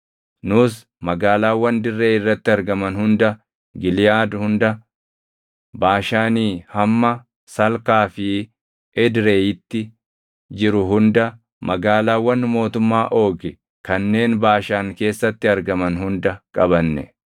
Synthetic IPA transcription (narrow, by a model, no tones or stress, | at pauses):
nʊs | mɐɡaːlaːwːɐnd̪ɪrːeːɪrːɐt̪ːɪɐɾɡɐmɐnhʊnd̪ɐ | ɡɪlɪjaːd̪hʊnd̪ɐ | baːʃaːniːhɐmːɐ | sɐlkaːfɪ | ɛd̪ɾe̞ːjɪt̪ːɪ | d͡ʒɪɾʊɦʊnd̪ɐ | mʔɐɡaːlaːwːɐnːmo̞ːt̪ʊmːaːʔo̞ːɡɪ | kɐnːe̞ːnbaːʃaːŋke̞ːsːɐt̪ːɪɐɾɡɐmɐnɦʊnd̪ɐkʼɐbɐnːɛ̰